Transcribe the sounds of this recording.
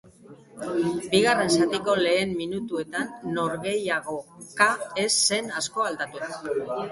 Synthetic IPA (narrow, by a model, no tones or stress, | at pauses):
biɣ̞are̞nsat̪iko̞le̞ːmːinut̪ue̞t̪anːo̞ɾɣe̞jaɣo̞kae̞sːe̞nasko̞ald̪at̪u